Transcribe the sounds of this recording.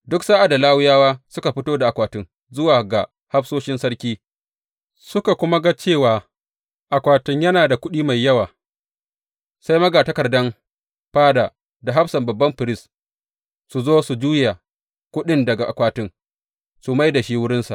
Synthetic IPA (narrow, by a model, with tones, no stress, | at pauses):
dʊ˦ksaː˦ʔa˨da˨laː˦wʊ˦jaː˦waː˦sʊ˦ka˨ɸɪ˦toː˦da˨ʔa˨kʷaː˨tɪ˦ŋ | zʊ˦waː˨ɡa˨ | ha˦ɸsoː˦ʃɪ˦nsɐ˦ɽkʲiː˦ | sʊ˦ka˨kʷʊ˦ma˦ɡa˦t͡ʃeː˦˨waː˨ | ʔa˨kʷaː˨tɪ˦ɲjɐ˦naː˨da˨kʷʊ˦ɗiː˦ma˨jːɐ˦waː˨ | sa˦jmɐ˦ɡa˨tɐ˦kɐ˨rdɐ˦m | ɸaː˦da˨ | da˨ɦa˦ɸsɐ˨mbɐ˨bːɐ˦mɸɪ˨ɾɪ˦˨s | su˨zoː˦su˨d͡ʒuː˦ja˨ | kʷʊ˦ɗɪ˦ndɐ˨ɡa˨ʔa˨kʷaː˨tɪ˦ŋ | su˨ma˦jda˨ʃiː˦wʊ˦ɽɪ˦nsa̰˨ʔ